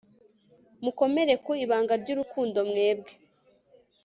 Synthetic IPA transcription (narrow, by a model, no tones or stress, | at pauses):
muko̞me̞ɾe̞kuiβaːŋɡaɾɟuːɾukʰuːndo̞mŋe̞ːbɡe